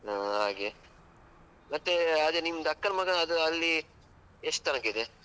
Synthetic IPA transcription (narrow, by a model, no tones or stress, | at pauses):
ɦaːɡe | mɐt̪ːeɐd̪enimːɐd̪ɐkːɐnɐmɐɡɐɐd̪uɐlːi | eʂʈ̚t̪ɐnɐkːeid̪e